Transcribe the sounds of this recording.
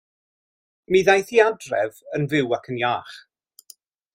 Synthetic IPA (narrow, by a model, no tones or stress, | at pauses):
miðajθiadrɛvənvɪwakʰənjaːχ